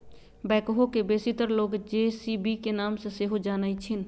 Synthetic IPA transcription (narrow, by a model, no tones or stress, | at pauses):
bɛːkɦokebeːsit̪əɾloːɡd͡ʒeːsibikenaːmsẽseɦod͡ʒaːnəit͡ʃʰɪn